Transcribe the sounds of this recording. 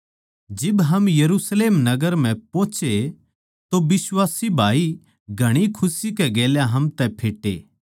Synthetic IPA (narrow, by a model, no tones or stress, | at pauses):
d͡ʒɪbɦɐmjɐɾusleːmnɐɡəɾm̤ɛ̃põːt͡ʃe | t̪obɪswaːsibʱaːi | ɡʱɐɽ̃ikʰʊsikɛɡeːljaɦɐmt̪ɛpʰeːʈḛː